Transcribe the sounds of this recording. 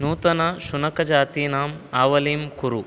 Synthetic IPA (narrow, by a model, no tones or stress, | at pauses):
nuːt̪ɐnɐʃunɐkɐd͡ʒaːt̪iːnaːmaːʋɐliːmkuɾu